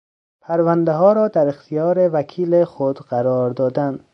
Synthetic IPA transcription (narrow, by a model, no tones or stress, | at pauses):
pʰæɾvænd̪eɦɒːɾɒːd̪æɾext̪ʰijɒːɾevækʰiːlexod̪ɢæɾɒːɾd̪ɒːd̪ænd̪